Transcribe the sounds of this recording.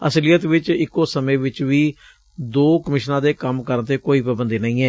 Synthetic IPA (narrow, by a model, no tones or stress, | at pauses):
əslijət̪ʋɪt͡ʃɪkːoːsəmẽːʋɪt͡ʃʋiː | d̪oːkəmɪʃnãːd̪eːkəmkəɾənt̪eːkoːiːpɾəbənd̪iːnəĩːɛː